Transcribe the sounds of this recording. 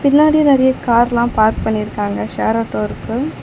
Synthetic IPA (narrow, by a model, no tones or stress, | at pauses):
pɪnːaːɽɪjɐnɛɾɐjɐkaːɾlãːpaːɾk̚pɐɳːɪɾɯkːaːŋɡɐʃeːɾaːʈːoːɪɾɯkːɯ